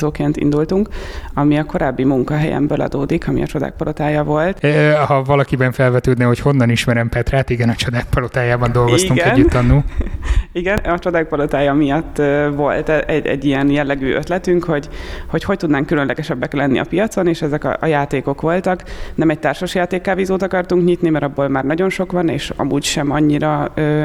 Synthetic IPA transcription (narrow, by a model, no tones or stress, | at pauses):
zoːkeːnt̪ḭnd̪ult̪uŋkɒmiɒko̞ɾaːbːimuŋkɒɦɛjɛ̰mbøːlʔɒ̰d̪oːd̪ikʰɒmḭɒ̰t͡ʃo̞d̪a̰ːk̚pɒlʔot̪aːjɒvo̞lt̪ːhɒvɒlɒkibɛɱfɛlvɛt̪øːd̪nɛho̞cho̞nːɒniʃmɛɾɛmpɛt̪raːt̪iɡɛnɒt͡ʃod̪aːk̚pɒlot̪aːjaːbɒnd̪o̞lɡostiuŋɡɛɛnɟːut̪ːɒnːuː | iɡɛnɒt͡ʃo̞d̪aːk̚pɒlot̪aːjɒmijɒt̪ːvo̞lt̪ɛɛɟɛ̰ɟːijɛnjɛlːɛɡy̰ːʔøt̪lɛt̪yŋkho̞ɟho̞cho̞c̚t̪ud̪naːŋkːylønlɛɡɛʃɛbːɛklɛnːḭʔɒ̰pijɒt̪so̞neːʃɛzɛkɒ̰ʔɒjaːt̪eːko̞kʋo̞lt̪ɒknɛmɛc̚t̪aːrʃoʃjaːt̪eːkːaːvizoːt̪ɒkɒrt̪uŋkɲit̪nimɛɾɒbːoːlmaːrnɒɟo̞nʃo̞kʋɒnḛːʃɒ̰muːcʃɛmɒɲːiɾɒøː